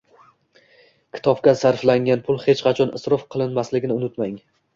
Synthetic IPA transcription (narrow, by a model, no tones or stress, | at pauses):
kʲʰɪ̥t̪ʰɒp̚kʲasaɾflaŋɡʲanpʰʊlˠhet͡ʃqʰɑt͡ʃʰɒnɪsɾɒfqʰɨlˠɪnmaslɪɡʲɪnɪʊnɪt̪maŋ